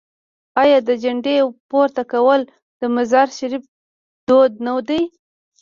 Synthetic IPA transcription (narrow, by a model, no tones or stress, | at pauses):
ɑjɑd̪əd͡ʒaɳɖepoɾt̪akawəl | d̪̥əmazɑɾʃaɾif̚ | d̪̥od̪̚nawd̪aj